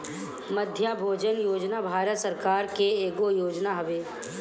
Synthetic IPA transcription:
məd̪ʱjabʱoːd͡ʒənjoːd͡ʒnabʱaːɾət̪səɾkaːɾkeeːɡojoːd͡ʒnaɦɐʋeː

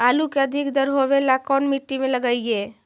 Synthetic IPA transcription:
alukeəd̪ʱikd̪əɾɦobelakɔnmiʈːimeləɡəjje

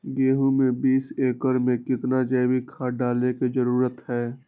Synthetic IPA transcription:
ɡeːɦũmẽbiːseːkəɾmẽkɪt̪nad͡ʒɛːbʱikʰaːɖaːlekid͡ʒəɾuːɾət̪ɦɛː

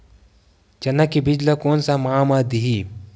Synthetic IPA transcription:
d͡ʒɐnːakibid͡ʒlakoːnsamamad̪iɦi

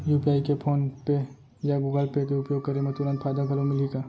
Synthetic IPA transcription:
juːpiaːikepʰoːnpe | jaɡuːɡəlpet̪eʊpjoːɡ̚kɐɾẽmẽt̪ʊɾãːnt̪fʰaːjd̪aɡʱɐlomɪliɡaː

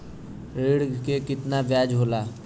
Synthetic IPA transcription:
ɾeːɽkekɪt̪nabjaːd͡ʒɦoːlaː

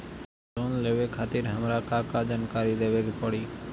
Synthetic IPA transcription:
oːnleːʋeːkʰaːt̪ɪːɾɦəmɾaːkaːkaːd͡ʒaːnkaːɾiːd̪eːʋeːkpəɽiː

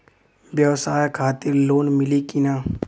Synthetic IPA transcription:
bjɐʋsaːjkʰaːt̪ɪɾloːnmɪlikɪnaː

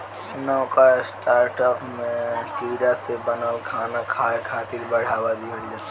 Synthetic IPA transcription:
nɐkasʈaːɾʈɔːpʰmẽʈiːɾasebɐnəlkʰaːnakʰaːkʰaːt̪ɪɾbɐɽ̤aːʋad̪iɦʊɽid͡ʒa

